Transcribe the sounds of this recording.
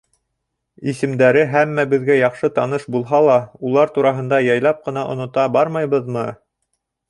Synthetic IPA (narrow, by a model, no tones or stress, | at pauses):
isɘ̆md̪æɾɘɦæmːæbɘ̆ðɡæjɑχʃɤt̪ɑnɤʃbulˠɦɑlˠɑulˠɑɾt̪uɾɑɦɤ̆nd̪ɑjɑjlˠɑp̚qɤ̆nɑʔŏnŏt̪ɑbɑɾmɑjβɤðmɤ